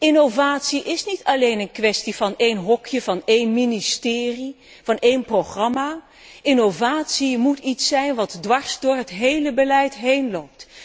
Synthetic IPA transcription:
ɪnowvaːtsiʔɪsnitʰɑlejnənkʋɛstiv̥ɑnejnɦɔkʰjəv̥ɑnejnministɪːri | v̥ɑnejnproχrɑmaː | ɪnowvaːtsimutitsɛjnʋɑtdʋɑɹsdʊːɹɦətɦejləbəlɛjtɦejnlowp̚t

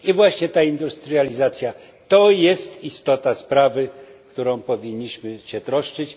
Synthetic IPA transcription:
ivwaɕɲɛt̪aind̪ust̪ɾɨalʲizat̪sʲja | t̪ɔjɛst̪ist̪ɔt̪aspɾavɘkt̪uɾɔ̃w̃pɔvʲiɲːiɕmɘɕɛt̪ɾɔʂt͡ʂɘt͡ɕ

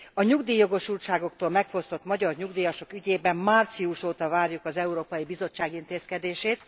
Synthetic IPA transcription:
ɒɲuɡd̪iːjo̞ɡo̞ʃulʃaːɡo̞kt̪oːlmɛkfo̞st̪o̞t̪mɒɟɒrɲuɡd̪ijɒʃo̞kyɟeːbɛmmart̪siuʃoːt̪ɒvaːrjukɒzɛuɾoːpɒjibizo̞t͡ʃːaːɡint̪eːskɛd̪eːʃeːt̪

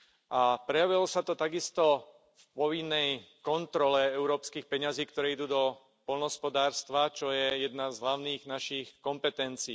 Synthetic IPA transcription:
ʔapɾɛjaʋilɔsat̪ɔt̪aɡist̪ɔ | fpɔʋinːɛjkɔnt̪ɾɔlɛɛʊɾɔːpskiːxpɛɲaziːkt̪ɔɾɛːid̪uːd̪ɔ | pɔlnɦɔspɔd̪aːɾst̪ʋat͡ʃɔjɛjɛd̪nazɦlaʊniːɣnaʃixkɔmpɛt̪ɛnt͡siː

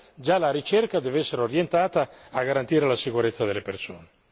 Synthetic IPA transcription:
d͡ʒalaɾit͡ʃɛrkad̪ɛvɛsːeɾeoɾjent̪aːt̪aːɡaɾant̪iːɾelasikuɾet̪sːad̪elːeperso̰ːne

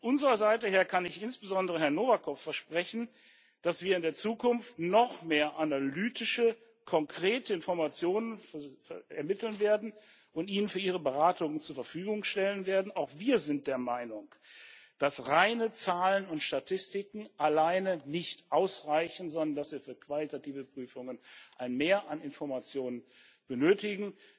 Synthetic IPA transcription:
ɔʔʊnzəʁɐzaɪtəɦeːɐkʰanɪçɪnsb̥əzɔndəʁəɦɛɐnoːvakʰɔfːɛɐʃpʁ̥ɛçn̩ | d̥asv̥iːɐɪndeːɐt͡suːkʊnftnɔχmeːɐʔanalyːtɪʃə | kʰɔŋkʁ̥eːtəɪnfɔɐmat͡sjoːnənffɛɐmɪtl̩nveːɐdn̩ | ʔʊntʔiːnənfyːɐʔiːʁ̞əbəʁaːtʊŋət͡suːɐfɛɐfyːɡʊŋʃtɛlənveːɐdn̩aʊxv̥iːɐzɪnt̚d̥eːɐmaɪnʊŋd̥asʁaɪnət͡saːlənʊntʃtatʰɪstɪkŋ̩ʔalaɪnənɪçtʔaʊsʁaɪçn̩zɔndɐndasv̥iːɐfyːɐkv̥alitatiːvəpʁ̥yːfʊŋənʔaɪnmeːɐʔanɪnfɔɐmat͡sjoːnən | b̥ənøːtɪɡŋ̩

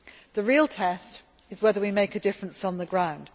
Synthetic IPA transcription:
ðəɹiːəlˠtʰɛst | ɪzwɛðəwimeɪkədɪfɹə̃nsn̩ðəɡɹãʊ̃nd̥

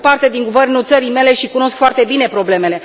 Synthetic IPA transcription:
part̪e̞d̪iŋɡuve̞rnult̪səɾijme̞le̞ʃikuno̞skfoart̪e̞bine̞pɾo̞ble̞me̞le̞

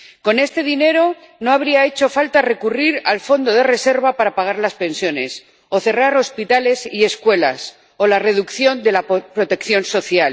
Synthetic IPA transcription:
ko̞ne̞st̪e̞ð̞ine̞ɾo̞ | no̞aβɾiae̞t͡ʃo̞falt̪are̞kuriɾalfo̞nd̪o̞ðe̞re̞se̞ɾβapaɾapaɣ̞aɾlaspe̞nsjo̞ne̞s | o̞θe̞raɾo̞spit̪ale̞sie̞skwe̞la̰s | o̞lare̞ðukθjo̞nd̪e̞lapɾo̞t̪e̞kθjo̞nso̞θjal

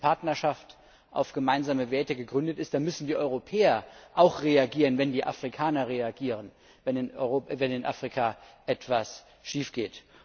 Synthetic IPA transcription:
pʰaɐtnɐʃaft | ʔa̰ʊfɡ̥əmaɪnzaːməveːɐtəɡəɡʁʏndətɪstd̥aːmʏsn̩diːʔɔʏʁopʰɛːɐʔaʊxʁeaɡiːʁənvɛndiːʔa̰fʁ̥ikʰaːnɐʁeaɡiːʁən | vɛnɪnovɛnɪnʔa̰fʁ̥ikʰaʔɛtv̥as | ʃiːfɡ̥eːt

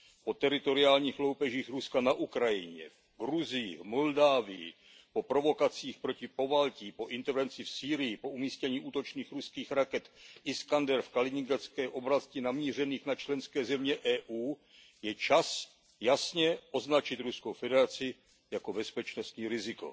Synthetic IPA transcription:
po̞t̪ɛɾɪt̪o̞ɾɪaːlɲiːxlowpɛʒiːxɾuskanaʔukɾajɪɲɛ̰v | ɡɾuzɪjɪ̰vmo̞ldaːvɪjɪ̰ | po̞pɾo̞vo̞kat͡siːxpɾo̞cɪpo̞valciːpo̞ʔɪnt̪ɛɾvɛnt͡sɪfsiːɾɪjɪpo̞umiːscɛɲiːʔuːt̪o̞t͡ʃniːxɾuskiːxɾakɛt̪ʔɪskandɛɾfkalɪɲɪŋɡat͡skɛːʔo̞bɾascɪnamɲiːr̝ɛniːxnat͡ʃlɛnskɛːzɛmɲɛʔɛːʔuː | jɛt͡ʃas | jasɲɛʔo̞znat͡ʃɪt̪ɾuskowfɛdɛɾat͡sɪ | jako̞bɛspɛt͡ʃno̞st̪ɲiːɾɪzɪko̞̰

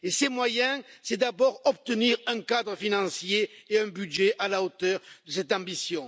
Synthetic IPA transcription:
esɛmwajɛ̃sɛd̪abɔʁɔp̚t̪əniʁɛ̃kad̪ʁəfinɑ̃sjeːɛ̃bydʒeʔalaot̪œʁd̪əsɛt̪ɑ̃bisjɔ̃

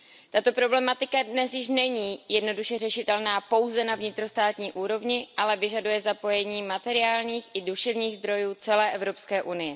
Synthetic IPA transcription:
t̪at̪o̞pɾo̞blɛmat̪ɪkadnɛsjɪʃ̬nɛɲiːjɛdno̞duʃɛrɛʃɪt̪ɛlnaːpo̞wzɛnavɲɪt̪ɾo̞st̪aːt̪ɲiːʔuːɾo̞vɲɪʔalɛvɪʒadujɛzapo̞jɛɲiːmat̪ɛɾɪaːlɲiːxɪduʃɛvɲiːɣzd̪ɾo̞juːt͡sɛlɛːʔɛvɾo̞pskɛːʔunɪjɛ

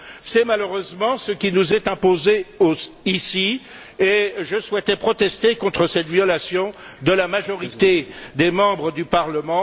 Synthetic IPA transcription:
sɛmaløʁøzmɑ̃səkʲinuzɛt̪ɛ̃pozeo | isi | eʒəswɛt̪ɛpχɔt̪ɛst̪ekɔ̃t̪χəsɛt̪vjɔlasjɔ̃ | d̪əlamaʒɔʁit̪ed̪emɑ̃bʁəd̪ypaʁləmɑ̃

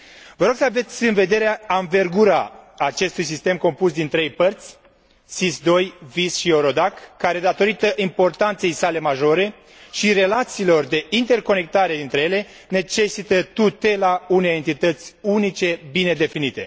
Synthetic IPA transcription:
vəɾo̞ɡ̥səave̞t̪sʲɨnve̞d̪e̞ɾeaaɱve̞rɡuɾaat͡ʃe̞st̪ujsist̪e̞mko̞mpusd̪int̪ɾe̞jpərt̪sʲ | sisd̪o̞jvisʃio̞ɾo̞d̪akːaɾe̞d̪at̪o̞ɾit̪əʔimpo̞rt̪ant̪se̞jsale̞maʒo̞ɾe̞ | ʃiɾe̞lat̪siːlo̞rd̪e̞int̪e̞rko̞ne̞k̚t̪aɾe̞d̪int̪ɾe̞je̞le̞ | ne̞t͡ʃe̞sit̪ət̪ut̪e̞launejent̪it̪ət̪sʲunit͡ʃe̞bine̞d̪e̞finit̪e̞̰

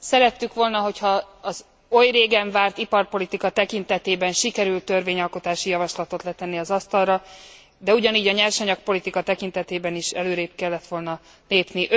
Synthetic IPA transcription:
sɛɾɛt̪ːykʋo̞lnɒɦo̞chɒː | z | o̞jreːɡɛɱvaːrt̪ipɒrpo̞lit̪ikɒt̪ɛkint̪ɛt̪eːbɛnʃikɛɾylt̪ø̞rveːɲɒlko̞t̪aːʃijɒvɒʃlɒt̪o̞t̪lɛt̪ɛnːiɒzɒst̪ɒlrɒ | d̪ɛuɟɒniːɟɒɲɛrʃɒɲɒk̚po̞lit̪ikɒt̪ɛkint̪ɛt̪eːbɛniʃɛ̰løːɾeːp̚kɛlːɛt̪ʋo̞lnɒ | leːpniʔ

